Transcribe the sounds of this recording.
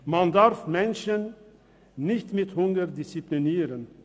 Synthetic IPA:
mandaʁfmɛnʃənː | ɪçtmɪthʊŋɡəʁdɪst͡sipliniːʁən

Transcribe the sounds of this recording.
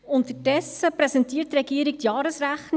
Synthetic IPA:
ʊnt̪əd̥ɛsəpɾɛsɛntiːəttːɾɛɡiːɾiktjɑːɾəsɾæχn

